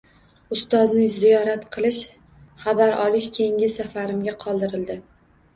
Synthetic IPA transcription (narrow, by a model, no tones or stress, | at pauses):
ʊst̪ɒznɪzijɒɾat̪qʰɨlˠɪʃ | χabaɾʔɒlɪʃkʲʰeŋʲɪsafaɾɪmɡʲaqʰɒlˠd̪ɪɾɪld̪ɪ